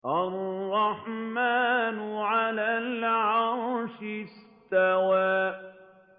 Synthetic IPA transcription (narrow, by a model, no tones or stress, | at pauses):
ʔarˤːɑħmaːnʊʕalaːlʕɑɾˤʃɪs | t̪awaː